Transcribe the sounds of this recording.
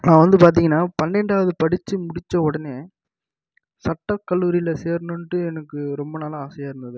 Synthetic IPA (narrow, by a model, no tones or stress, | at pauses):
nãːʋɐnd̪ɯpaːɾt̪̬iːŋɡɐnːaːpɐnːɛɳɖaːʋɐðɯpɐɽɪt͡ʃːɯmʊɽɪt͡ʃːɐ̃ɔɽɐneː | sɐʈːɐkːɐlːuːɾɪjɪlɐseːɾnɯnʈːɯɛnɐkːɯɾɔmbɐnaːlaaːsɐjaːɪɾɯnd̪ɐðɯ